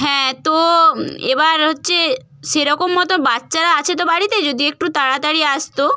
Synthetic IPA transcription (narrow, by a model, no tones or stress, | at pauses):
ɦɛ̃t̪oḛbaɾɦotːɕʰe | ʃeɾɔkomːɔt̪obatːʃaɾaat͡ɕʰet̪̬obaɽit̪ed͡ʑod̪iek̚ʈut̪aɽat̪aɽiast̪o